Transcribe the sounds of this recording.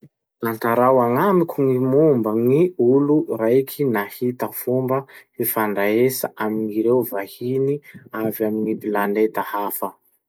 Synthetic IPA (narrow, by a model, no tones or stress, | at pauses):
laɳtaɾawaŋamikʲʰuŋimumbəŋiuluɾajkʰinahit̪əfumbəefaɳɖ͡ʐaesa̰ʔaminiɾewvahiniavaminibilaɳet̪əhafə